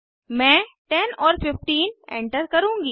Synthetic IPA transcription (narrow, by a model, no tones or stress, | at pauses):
mɛ̃ːʈɛnɔːɾpɪfʈiːnɛ̰̃ːɳʈəɾkɐɾũːŋɡiː